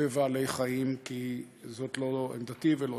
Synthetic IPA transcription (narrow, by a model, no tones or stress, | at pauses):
evaːle̞jχaimki | zo̞t̪lo̞ḛnd̪ativelo